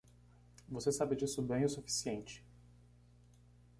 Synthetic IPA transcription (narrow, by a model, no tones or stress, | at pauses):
vosesabɪd͡ʒisʊbẽj̃ʊsufi̥siẽnt͡ʃɪ̥